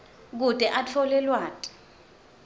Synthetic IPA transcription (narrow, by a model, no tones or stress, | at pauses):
k̬utʼɛʔatʰɔlɛlwaːtʼi̥